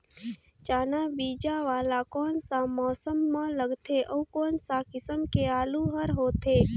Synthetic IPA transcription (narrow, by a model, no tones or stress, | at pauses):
t͡ʃaːnabiːd͡ʒaʋaːlakɔːnsamɔːsəmːãləɡt̪ʰeʔəːkɔːnsakɪsəmkeaːluɦəɾɦoːt̪ʰeː